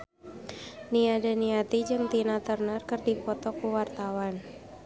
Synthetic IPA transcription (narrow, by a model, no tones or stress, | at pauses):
niadaniat̪id͡ʒɨŋt̪inat̪ərnərkɨrdipɔt̪ɔkuwart̪awan